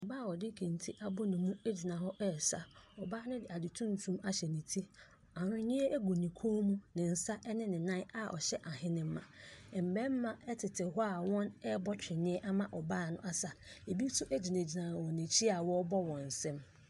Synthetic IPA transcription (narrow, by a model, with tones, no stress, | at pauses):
baː˦˨wɔ˨dɪ˦kʰĩ˨n˨tʰi˦ʔa˦bʊ˦nʊ̃˨mũ˦e˦d͡ʑi˨nã˨ɦɔ˦ʔɛ˦˨sa˦ɔ˨baː˦nʊ̃˦dɪ˨a˨dɪ˨tʰũ˦n̩˨tʰũ˦ma˦ɕɛ˨nĩ˨tʰi˦ | a˨ɾʊ̃˦ɲɪ̃˦e˦ʔe˦ɡu˨nĩ˨kʰõ˦mũ˦nɪ̃˨n̩˨sa˦ʔɛ˦nɪ̃˦nɪ̃˨nã˦a˨ʔɔ̰˨ɕɛ˦ʔa˨ɦɪ̃˦nɪ̃˨m̩˦mã˨m̩˨bɛ˦m̩˦mã˨ɛ˦tʰɪ˨tʰɪ˨ɦɔ˦a˨wɔ̃˦nɛ˦bɔ˦t͡ɕᶣɪ˨ɲɪ̃˦ɛ˦ʔa˦mã˦ʔɔ˨baː˦˨nʊ̃˦ʔa˦sa˨e˨bi˦tʊ˦ʔe˦d͡ʑi˨n˨e˨d͡ʑi˨nã˨wɔ̃˨nɪ̃˨t͡ɕʰi˦a˨wɔ˦bɔ˦wɔ̃˨n̩˨sɛ̃˦m